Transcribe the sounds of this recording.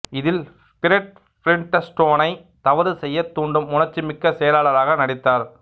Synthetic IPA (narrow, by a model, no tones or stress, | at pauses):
ɪðɪl | spɪɾɛʈ̚ | pɪɾɪɳʈɐsʈoːnɐɪ | t̪ɐʋɐɾɯsɛjːɐt̪ːuːɳɖɯmʊnɐɾt͡ʃːimɪkːɐsɛjɐlaːɭɐɾaːɣɐnɐɽɪt̪ːaːɾ